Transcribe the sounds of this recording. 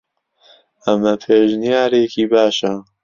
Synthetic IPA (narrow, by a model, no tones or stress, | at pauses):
ɐmɐpʰeːʒnijaːɾeːkiːbaːʃɐ